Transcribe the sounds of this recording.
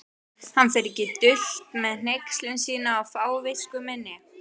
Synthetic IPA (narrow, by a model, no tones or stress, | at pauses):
hanːfɛɾɪcɪt̪ʏl̥t̪̚mɛðn̥ejkslʏnsiːnaːwfaːwvɪskʏmɛnːɪ